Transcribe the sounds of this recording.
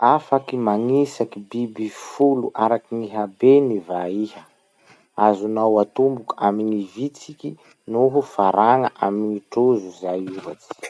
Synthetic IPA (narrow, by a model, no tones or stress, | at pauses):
afakimaŋisakibibifuluʔaɾakiniɦabenivaihə | azunawat̪umbukaminivit͡sikʲi | nuɦufaɾaŋəʔaminiʈ͡ʂuzuzajuva̰t͡si̥i̥